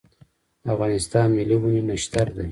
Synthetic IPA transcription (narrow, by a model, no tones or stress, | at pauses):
afɣɑːnɪst̪ɑːnmiliwuninaʃt̪aɾd̪aj